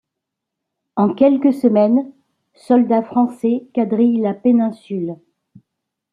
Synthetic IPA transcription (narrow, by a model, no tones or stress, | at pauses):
ɑ̃kʲɛlkəsəmɛn | sɔld̪afχɑ̃sɛkad̪ʁilapenɛ̃syl